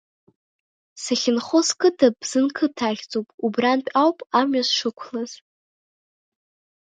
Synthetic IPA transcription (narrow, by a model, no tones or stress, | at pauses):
saχʲɪnχoskʰɨtʰapz̥ɨnkʰɨtʰaχʲt͡sʼopʼubranpʼawpʼamɥasʂɨkʷʰlaz̥